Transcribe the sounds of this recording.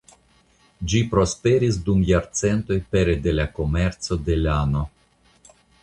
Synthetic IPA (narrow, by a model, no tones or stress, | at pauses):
d͡ʒipɾo̞spe̞ɾis̬dumjaɾt͡se̞nto̞jpe̞ɾede̞lako̞me̞ɾt͡so̞de̞lano̞